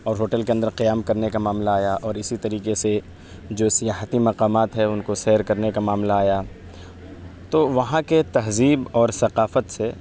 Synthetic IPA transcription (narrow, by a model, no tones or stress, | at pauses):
ɔːɾɦoːʈəlkeɐ̃nd̪əɾqijaːmkɐɾnekamaːmlaːjaʔɔːɾɪsit̪ɐɾiːqese | d͡ʒoːsɐjaːɦət̪imɐqaːmaːt̪ɦɛʊnkosɛːɾkɐɾnekamaːmlaːjaː | t̪oːʋɐɦãket̪ɐɦziːbɔːɾsɐqaːfət̪se